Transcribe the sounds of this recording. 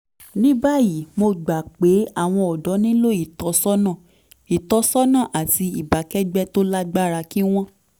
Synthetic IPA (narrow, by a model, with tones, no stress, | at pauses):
nĩ˦ba˦˨ji˨mo˧ɡ͡ba˨k͡pe˨˦a˦˨w̃ɔ̃˧ɔ˨dɔ˨˦nĩ˦lo˦i˦˨tɔ˨˦sɔ˦nã˦˨ | i˨tɔ˧˦sɔ˦nã˦˨ʔa˨ti˧i˨ba˨˦kɛ˦ɡ͡bɛ˦to˦la˦ɡ͡ba˦ɾa˧ki˦w̃ɔ̃˦